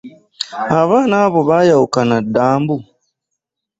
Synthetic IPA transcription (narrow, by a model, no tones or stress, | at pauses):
haβaːnaːβɔβajaukanadaːmbu